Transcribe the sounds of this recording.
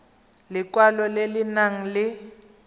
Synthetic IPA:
lɪkwalɔlelɪnaŋ̩lɪ

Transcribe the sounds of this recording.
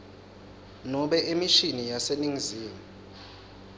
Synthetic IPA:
nɔɓɛʔemiʃinijaseniŋiziːma

